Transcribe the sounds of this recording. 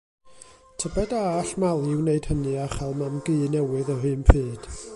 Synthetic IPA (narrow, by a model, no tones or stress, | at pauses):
tʰəbɛdaɬmalˠɪwneɨd̥hənɨaχalˠmamɡɨːnɛwɨðəɦɨːmpʰɨːd̥